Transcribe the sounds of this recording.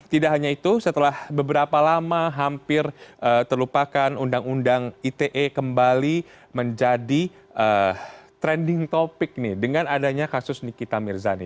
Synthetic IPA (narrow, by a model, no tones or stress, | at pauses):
t̪idaʔɦaɲait̪usət̪əlahbəbəɾapalamaɦampɪrʔət̪ərlupakanundaŋundaŋit̪eʔekəmbali | məɲd͡ʒadi | ʔət̪ɾɛndɪŋt̪opɪk̚nɪhdəŋanadaɲakasʊsnikit̪amɪrzanḭ